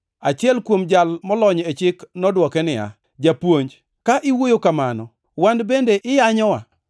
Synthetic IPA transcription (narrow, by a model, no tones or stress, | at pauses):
at͡ʃɪɛlkwomd͡ʒalmɔlɔɲet͡ʃɪknɔdwɔkɛnɪja̰ | d͡ʒapwoɲd͡ʒ | kaʔɪwojokamanɔ | wandbendeʔɪjaɲɔwa̰